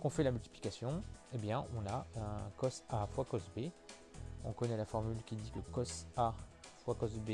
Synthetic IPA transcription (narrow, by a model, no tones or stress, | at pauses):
kɔ̃fɛlamylt̪i̥pli̥kasjɔ̃ebjɛ̃ɔ̃naøkɔsafwakɔsbe | ɔ̰̃kɔnɛlafɔʁmylkʲid̪ikəkɔsafwakɔsbe